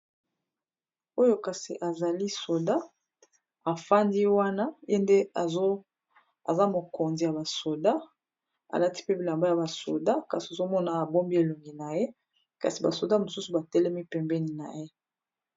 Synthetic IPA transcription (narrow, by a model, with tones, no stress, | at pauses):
o˦jo˦ka˨sḭ˨ʔa˨za˨li˦so˨da˦ | a˨fa˦ndi˦wa˦na˦je˦nde˦˨o˦ | a̰˨za˦mo˨ko˨nzi˨ja˨ba˨so˨da˦ | a̰˨la˦ti̥˦pe˦bi˨la˨mba˦ja˨ba˨so̰˨da˦ka˨si˨o˨zo˦mɔ˦na˨bo˦mbi˦e˨lo˨ŋɡi˨na˨je˦ | ka̰˨si˨ba˨so˨da˦mo˨su˦su˨ba˨tɛ˦lɛ˦mi˦pɛ˨mbɛ˦ni˨na̰˨je˦